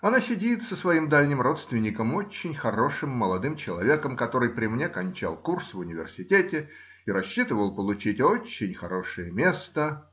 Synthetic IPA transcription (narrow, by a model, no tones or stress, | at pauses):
ɐnasʲɪdʲit̪səsvɐimd̪alʲnʲɪmro̞t̪st̪vʲɪnʲɪkəmo̞t͡ɕːɪnʲxɐɾo̞ʂɨmːəlˠɐd̪ɨmt͡ɕɪlˠɐvʲe̞kəmkɐt̪o̞ɾɨjpɾʲɪmnʲekɐnʲt͡ɕa̰lˠkursvʊnʲɪvʲɪ̰rsʲɪtʲetʲɪ | iɾɐɕːit̪ɨvəlˠpəlˠʊt͡ɕitʲot͡ɕːɪnʲxɐɾo̞ʂɨjəmʲe̞st̪ə